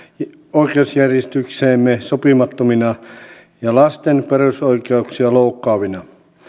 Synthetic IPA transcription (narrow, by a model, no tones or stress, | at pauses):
oikeusjærjest̪ykseːmːesopimɑt̪ːominɑ | jɑlɑst̪enperusoikeuksiɑloukːɑːʋinɑ